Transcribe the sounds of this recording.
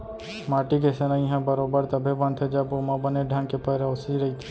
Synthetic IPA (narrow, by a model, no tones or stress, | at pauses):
maʈik̬esenaĩɦãbəɾobəɾt̪əbʱebənt̪ʰed͡ʒabomãbəneɖʱãnkepəɾosiɾəit̪ʰe̥